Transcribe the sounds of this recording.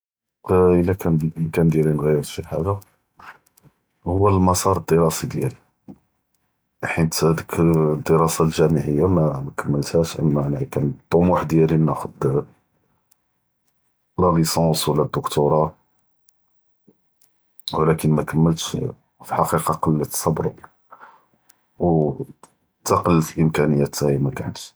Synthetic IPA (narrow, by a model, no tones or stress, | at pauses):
ʔəlːækænkænd̪jælinɣijəɾfiħæ̰d̪æ | hʊwːælmɑsˤɑɾˤəd̪ːəɾˤɑsid̪jæ̰li | ħint̪hd̪əkd̪ːəɾˤɑsɑlʒæməʕəjːamæmækəmːəlt̪hæʃʔə̰mːæʕnækænt̪ˤːomuħd̪jælinːæxʊd̪ | lælisɑ̃swlæd̪ːʊkt̪uɾˤɑ | wlækənmækəmːəlt̪ʃ | fiħɑqiqɑqʊlːət̪sˤɑbɾˤb | w | t̪ɑqəlːt̪əlʔəmkænəjːæt̪æjmækænt̪